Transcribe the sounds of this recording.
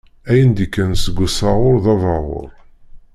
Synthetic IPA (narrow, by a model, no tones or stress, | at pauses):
æjənd̪ikːænsəɡʷːəsɑʁʊɾðɑvɑʁʊ̰ɾˤ